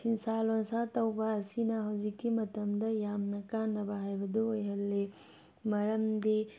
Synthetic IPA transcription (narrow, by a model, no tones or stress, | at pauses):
pʰinsalonsatɐwbɐːsinɐɦɐwzikːimɐtɐmdɐjamnɐkanːɐbɐɦajbɐduojɦɐlːe | mɐɾɐmdi